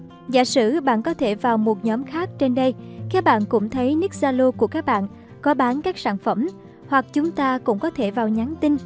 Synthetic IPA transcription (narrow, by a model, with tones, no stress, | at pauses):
za̰ː˧˨sɨ̰˧˨ɓa̰ː˧˨nkɔ˨˦t̪ʰe˧˩vaː˨˩wmo˨˩t̚ɲɔ˨˦mxaː˦˥k̚t͡ɕe˧nɗə˧jkaː˦˥k̚ɓa̰ː˧˨nkʊ̰˧˥ŋ͡mt̪ʰə˨˦jni˦˥k̚zaː˧lo˧ku˧˩əkaː˦˥k̚ɓa̰ː˧˨n | kɔ˨˦ɓaː˨˦nkaː˦˥k̚saː˧˩nfə˧˩m | hwa˨˩k̚t͡ɕʊ˨˦ŋ͡mt̪aː˧kʊ̰˧˥ŋ͡mkɔ˨˦t̪ʰe˧˩vaː˨˩wɲa˨˦nt̪i˧n